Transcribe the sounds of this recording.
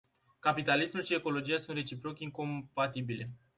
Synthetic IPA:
kapit̪alismulʃie̞ko̞lo̞d͡ʒijasunt̪re̞t͡ʃipɾo̞kʲiŋko̞mpat̪ibile̞

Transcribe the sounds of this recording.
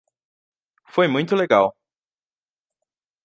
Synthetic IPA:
fojmũj̃t̪ʊleɡaw

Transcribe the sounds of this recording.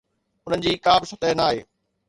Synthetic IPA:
ʊn̤ənɪ̆d͡ʑiːkaːbsʊt̪əɦnaːɦḛː

